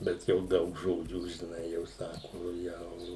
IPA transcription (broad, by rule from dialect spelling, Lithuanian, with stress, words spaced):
ˈbʲɛt jɛʊ ˈdɐʊk ˈʒoːd͡ʒʲuː ʒʲɪˈnɐɪ jɛʊ ˈsɑːkʊ ˈjɛʊ